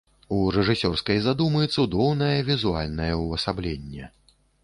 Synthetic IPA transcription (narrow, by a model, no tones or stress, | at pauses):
uɾɛʐɨsʲɔrskɐjzad̪umɨjt̪sud̪ɔwnɐjɐvʲizualʲnɐjɐuɐsablʲenʲːɛ